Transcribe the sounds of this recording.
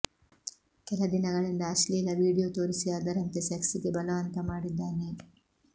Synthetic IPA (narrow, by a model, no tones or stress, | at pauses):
kɛlɐd̪inɐɡɐɭind̪ɐːʃlilɐʋiːɽijoːt̪oːɾisiaːd̪ɐɾɐnt̪esɐksiɡebɐlɐʋɐnt̪ɐmaːɽid̪ːaːne